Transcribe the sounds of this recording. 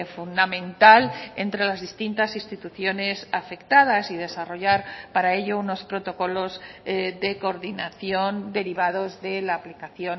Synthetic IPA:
fund̪amẽ̞nt̪ale̞nt̪ɾe̞lazðist̪int̪asĩnst̪it̪uθjo̞ne̞safe̞kt̪aðasið̞e̞saro̞ʝaɾpaɾae̞ʎo̞uno̞spɾo̞t̪o̞ko̞lo̞zðe̞ko̞ːɾðinaθjo̞nd̪e̞ɾiβað̞o̞zðe̞laːplikaθjo̞n

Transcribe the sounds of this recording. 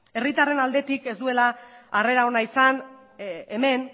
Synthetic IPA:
e̞rit̪are̞nald̪e̞t̪ike̞zd̪ue̞laːre̞ɾao̞naisan | eme̞n

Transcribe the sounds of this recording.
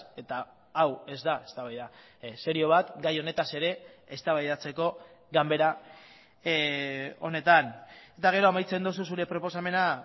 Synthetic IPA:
e̞t̪a | awe̞zd̪aest̪aβajða | se̞ɾio̞β̞at̪ɡajo̞ne̞t̪ase̞ɾe̞ːst̪aβajðat͡se̞ko̞ | ɡambe̞ɾa | o̞̰ne̞t̪anet̪aɣ̞e̞ɾo̞amajt͡se̞nd̪ususuɾe̞pɾo̞po̞same̞na

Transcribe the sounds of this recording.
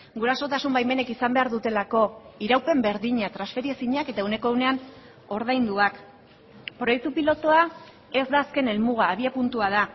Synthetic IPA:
ɡuɾaso̞t̪asumbajme̞ne̞kisambe̞aɾðut̪e̞lako̞iɾawpe̞mbe̞ɾðiɲat̪ɾansfe̞ɾiesiɲake̞t̪aeuwne̞ko̞wne̞an | o̞ɾð̞ajnd̪uak | pɾo̞jek̚t̪upilo̞t̪oa | e̞zd̪aːske̞ne̞lmuɣ̞aːβiapunt̪uað̞a

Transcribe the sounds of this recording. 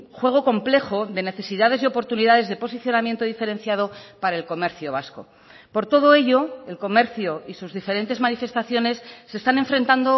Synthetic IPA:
xwe̞ɣ̞o̞ko̞mple̞xo̞ðe̞ne̞θe̞siðaðe̞zeo̞po̞ɾt̪uniðaðe̞zðe̞po̞siθjo̞namje̞nt̪oðife̞ɾe̞nθjað̞o̞paɾae̞lko̞me̞ɾθjoβ̞asko̞̰ | po̞ɾt̪o̞ð̞o̞e̞ʎo̞e̞lko̞me̞ɾθjoisuzðife̞ɾe̞nt̪e̞zmanife̞st̪aθjo̞ne̞sːe̞ːst̪ane̞ɱfɾent̪and̪o̞

